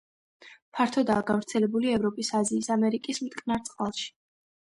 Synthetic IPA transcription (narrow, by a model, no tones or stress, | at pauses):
pʰaɾt̪ʰɔd̪aːɡavɾt̪sʰɛlɛbuliɛvɾɔpʼisaziːsamɛɾikʼismt̪ʼqʼnaɾt̪sʼqʼalˠʃi̥